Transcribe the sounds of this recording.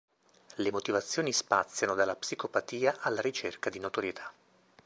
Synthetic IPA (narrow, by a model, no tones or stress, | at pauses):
lemot̪ivat̪sːjoːnispat̪sːjanod̪alːapsikopat̪iːaʔalːaɾit͡ʃerkad̪inot̪oɾjet̪ʰḁ